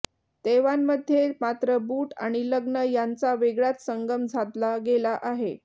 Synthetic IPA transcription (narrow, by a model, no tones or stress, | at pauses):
t̪eʋamːəd̪ʱːjemat̪ɾəbuːʈa̰ɽ̃iləɡnəjant͡saʋeɡɭat̪səŋɡəmd͡zʱat̪laɡelaʔaɦe